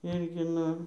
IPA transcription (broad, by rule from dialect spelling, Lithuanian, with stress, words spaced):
ˈɪrʲɡʲɪ ˈnʊ